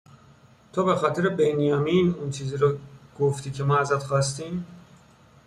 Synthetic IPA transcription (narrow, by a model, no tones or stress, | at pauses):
t̪ʰobe̞xɒːt̪ʰeɾebenijɒːminunt͡ʃʰiːziːɾɒɡ̥oft̪iːcʰe̞mɒːæzæt̪xɒːst̪im